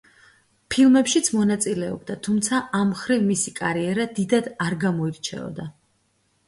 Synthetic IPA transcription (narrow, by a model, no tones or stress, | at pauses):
pʰilˠmɛpʃit̪sʰmɔnat̪sʼilɛɔ̰bd̪at̪ʰumt̪sʰaʔamχɾivmisikʼaɾiɛɾad̪id̪ad̪aɾɡamɔiɾt͡ʃʰɛ̰ɔ̰d̪a